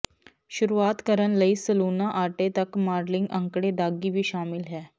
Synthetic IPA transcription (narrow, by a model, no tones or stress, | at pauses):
ɕuɾuat̪kəɾəɳləisəlunaʔaʈet̪əkmaɾliŋɡəŋkɽed̪aɡiːʋiːɕamilɦɛ